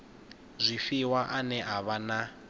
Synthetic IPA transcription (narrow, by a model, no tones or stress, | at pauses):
zʷifiwaʔanɛɦaβana